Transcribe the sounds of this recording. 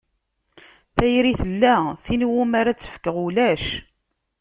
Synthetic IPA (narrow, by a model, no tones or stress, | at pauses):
θæjɾiθəlːæθinwumaɾat͡sːə̥fkːəʁulæʃ